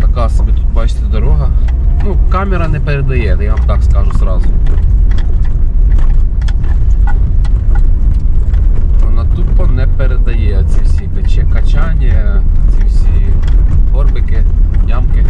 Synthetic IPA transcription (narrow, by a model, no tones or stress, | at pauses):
t̪ɐkɑsɐbʲit̪ut̪̚bɑt͡ʃɪ̥t̪ʲɛd̪ɔɾɔɦɐnukɑmʲɛɾɐnɛpeɾed̪ɐjɛd̪ɛjaʋamt̪ɑkskɑʒusɾɑzʊ | ɔnɐt̪upɔnɛpeɾed̪ɐjɛɔt͡sʲiwsʲipet͡ʃɛkɐt͡ʃanʲɐt͡sʲiwsʲi | ɦɔrbɪkɪnʲamkɪ